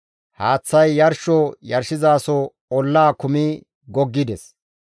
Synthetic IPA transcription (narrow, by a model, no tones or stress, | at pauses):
haːt͡sːɐjːɐɾʃɔjɐɾʃɪzaːsɔ | ɔlːaːkʊmi | ɡɔɡːɪd̪ɛs